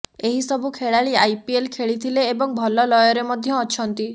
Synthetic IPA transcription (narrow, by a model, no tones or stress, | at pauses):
eɦisɔbʱukʰeɭaɭiajpielkʰeɭit̪ʰileːbɔŋbʱɔlɔlɔjɔɾemɔd̪ʱjɔːt͡ʃʰɔnt̪i